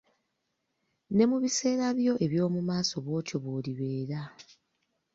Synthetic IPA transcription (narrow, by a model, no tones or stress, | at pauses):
ne̞muβise̞ːɾaβjo̞ʔe̞βjo̞ːmumaːso̞βo̞ːco̞βoːliβe̞ːɾa